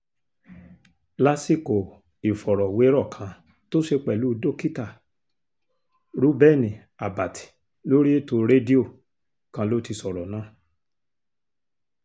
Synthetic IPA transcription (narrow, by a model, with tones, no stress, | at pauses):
la˦si˦˨ko˨ | i˨fɔ˨ɾɔ˨we˨˦ɾɔ˦˨kʰã˧˦ | to˦ʃe˧k͡pɛ˨lu˨˦do˦ki˦ta˦˨ | ɾu˦bɛ˦˨nĩ˨ | a˨ba˨tʰi̥˨ | lo˦ɾi˦e˦to˧ɾe˦di˦o˦˨ | kã˧˦lo˦ti˧sɔ˨ɾɔ˨nãː˦˨